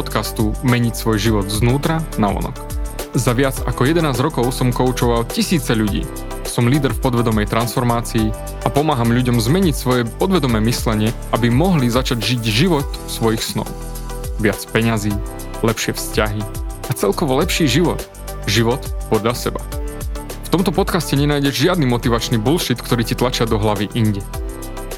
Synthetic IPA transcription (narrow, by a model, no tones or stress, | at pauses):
pɔt̪kast̪umɛɲicsʋɔjʒiʋɔd̪znuːt̪ɾanaʋɔ̰nɔ̰kzaʋɪad͡zakɔjɛd̪ɛnaːzɾɔkɔʊsɔmkɔʊt͡ʃɔʋalcisiːt͡sɛʎuɟḭː | sɔmliːd̪ɛɾfpɔd̪ʋɛd̪ɔmɛjt̪ɾansfɔɾmaːt͡siː | ʔapɔmaːɦamʎuɟɔmzmɛɲicsʋɔjɛpɔd̪ʋɛd̪ɔmɛːmislɛɲɪɛ | abimɔɦlizat͡ʃaɟʒiɟʒiʋɔt̪fsʋɔjixsnɔ̰ʊ | ʋɪat͡spɛɲaziː | lɛpʃɪɛfscaɦiat͡sɛlkɔʋɔlɛpʃiːʒiʋɔt̪ | ʒiʋɔt̪pɔd̪ʎasɛba | ft̪ɔmt̪ɔpɔt̪kascɛɲɛnaːjɟɛʒʒɪad̪niːmɔt̪iʋat͡ʃniːbulʃit̪kt̪ɔɾiːcit̪lat͡ʃɪad̪ɔɦlaʋiʔiɲɟɛ